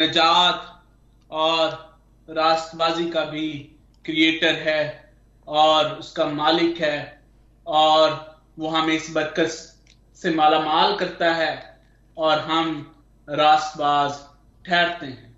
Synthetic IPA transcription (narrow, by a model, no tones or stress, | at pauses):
nɐd͡ʒaːt̪ | ɔːɾ | ɾaːst̪baːzikabʱi | kɾieːʈəɾɦɛ | ɔːɾʊskamaːlɪkɦɛː | ɔːɾ | ʋoɦãmẽɪsbɐɾkəs | semaːlamaːlkɐɾt̪aɦɛː | ɔːɾɦɐm | ɾaːst̪baːz | ʈʰɛːɾt̪eɦɛ̃ː